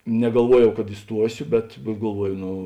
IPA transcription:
nʲɛɡɐlˠˈʋuɔjɛʊ kɐt ɪˈstuɔsʲʊ bʲɛt bʲɛt ɡɐlˠˈʋuɔjʊ ˈnoː

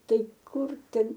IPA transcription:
ˈtɐɪ ˈkʊr ˈtʲɛn

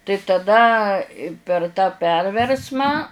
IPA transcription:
tɐɪ tɐˈdɐ pʲɛr tɑː ˈpʲɛrʲʋʲɛrsmɑː

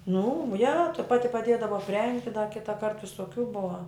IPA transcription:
nʊ jɛ tɐ ˈpɑːtʲɪ pɐˈdʲeːdɐʋɐ ɐpʲˈrʲɛŋktʲɪ dɐ ˈkʲɪtɐˈkɐrt ʋʲɪsoːˈkʲuː ˈbʊʋɐ

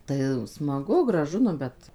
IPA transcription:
tɐɪ smɐˈɡʊ ɡrɐˈʒʊ nʊ ˈbʲɛt

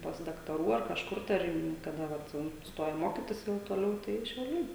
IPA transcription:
pɐs dɐktɐˈruː ɐr kɐʃˈkʊr tɐɪ ˈɐr iː kɐˈdɐ ˈʋɐt ʋɐ ˈstoːjɛ ˈmoːkʲɪtʲɪs jɛʊ toːˈlʲɛʊ tɐɪ ʃʲɛʊˈlʲɛɪ

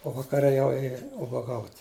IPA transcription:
oː ʋɐkɐˈrʲɛ jɛʊ ˈeːjɛ ʊbɐˈɡɐʊtʲ

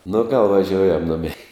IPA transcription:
nʊ ɡɐlˠ ʋɐˈʒʲoːʊjɛm ˈnʊmʲɛɪ

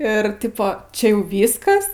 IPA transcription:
ɪr ˈtʲɪpoː ˈt͡ʃʲɛ ˈjɛʊ ˈʋʲiːskɐs

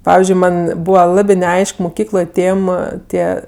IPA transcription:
ˈpɑːʋʲɪzʲd͡ʒʲʊɪ ˈmɐn ˈbuːʋɐ ˈlˠɑːbʲɪ nʲɛˈɐɪʃk mʊˈkʲiːklˠoːj ˈtʲeːm ˈtʲiɛ

